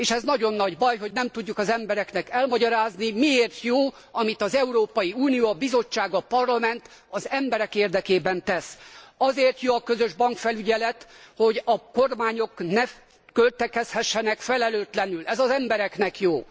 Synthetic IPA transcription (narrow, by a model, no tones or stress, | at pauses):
eːʃɛznɒɟo̞nːɒɟbɒjɦo̞ɟnɛmt̪uɟːukɒzɛmbɛɾɛknɛkɛlmɒɟɒɾaːznimieːrt̪joː | ɒmit̪ɒzɛuɾoːpɒjiuːnijoːɒbizo̞t͡ʃːaːɡɒpɒrlɒmɛnt̪ | ɒzɛmbɛɾɛkeːrd̪ɛkeːbɛnt̪ɛsɒzeːrt̪joːɒkøzøʒbɒŋkfɛlyɟɛlɛt̪ho̞ɟɒko̞rmaːɲo̞knɛ | kølt̪ɛkɛshɛʃːɛnɛkfɛlɛløːt̪lɛnylɛzɒzɛmbɛɾɛknɛkjoː